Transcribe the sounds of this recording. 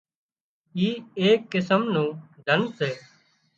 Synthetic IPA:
iːeːkːɪsəmnũːd̪ʱənseː

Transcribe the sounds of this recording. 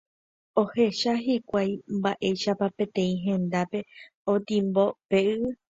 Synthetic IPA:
o̞he̞ʃaɦikʷajmbaʔe̞jʃapapẽ̞t̪ẽ̞ĩɦẽ̞nd̪ape̞ | õt̪ĩmbo̞peɨɨ

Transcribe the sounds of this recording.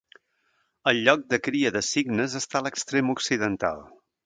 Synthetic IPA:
əlˠʎɔk̚d̪əkɾiəðəsiɡnəzəst̪aləkst̪ɾemuksiðənt̪a̰lˠ

